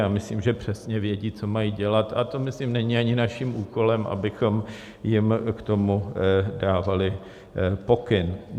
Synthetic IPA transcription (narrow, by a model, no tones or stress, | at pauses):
aːmɪsliːmʒɛpr̝̥ɛsɲɛvjɛɟiːt͡so̞majiɟɛlat̪at̪o̞mɪslimnɛɲiaɲɪnaʃimuːko̞lɛmʔa̰bɪxo̞m | jɪmkt̪o̞mudaːvalɪ | po̞kɪn